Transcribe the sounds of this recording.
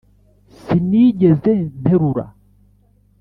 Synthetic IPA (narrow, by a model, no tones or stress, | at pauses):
sinid͡ʒɛzɛnɛɾuɾa̰